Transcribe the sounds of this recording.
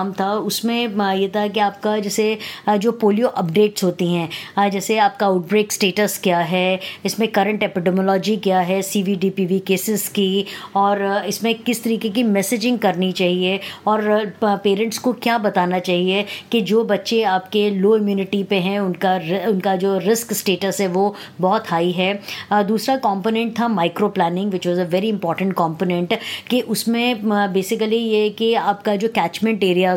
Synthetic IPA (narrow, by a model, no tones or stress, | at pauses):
mt̪ʰaʊsmẽjet̪ʰakiaːp̚kad͡ʒɛːsed͡ʒoːpoːlijoʔɐpɖeːʈsɦoːt̪iɦɛ̃ːd͡ʒɛːseaːp̚kaaʊʈ̚bɾeːksʈeːʈəskjaːɦɛɪsmẽkɐɾə̃ɳʈɛpɪɖɛmɔlɔːd͡ʒikjaːɦɛsiːʋiɖiːpiːʋikeːsɪzkiɔːɾɪsmẽkɪst̪ɐɾiːkek̬imɛsɪd͡ʒɪ̃ŋɡ̚kɐɾnit͡ʃaːɦieɔːɾpeːɾə̃ɳʈskokjaːbɐt̪aːnat͡ʃaːɦiekid͡ʒoːbɐtːʃeaːp̚keloːɪmjuːnɪʈipeɦɛ̃ʊnkaɾɪʊnkad͡ʒoːɾɪsksʈeːʈəsɦɛʋo | bɔːt̪ɦaːiɦɛd̪uːsɾakɔ̃ːmpoːnɛ̃ɳʈ̚t̪ʰamaːɪkɾoplɛːnɪ̃ŋɡʋɪt͡ʃʋɔzəʋɛːɾiɪ̃mpɔːɾʈə̃ɳʈ̚kɔ̃ːmpoːnɛ̃ɳʈkeʔʊsmẽbeːsɪkəlijeɦɛkiaːp̚kad͡ʒoːkɛːt͡ʃmɛ̃ɳʈeːɾijaz